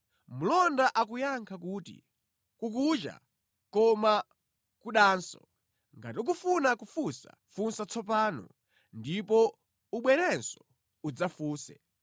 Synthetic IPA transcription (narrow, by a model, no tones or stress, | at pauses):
mulɔndaʔakujaŋkʰakuːtḭ | kukut͡ʃa̰ | kɔma | kuɗaːnsɔ̰ | ŋɡatiuk̬ufunakufusa̰ | funsat͡sʰɔp̬aːnɔ̰ | ndipɔ | uɓwɛɾɛnsɔ | ud͡zafuːsɛ̰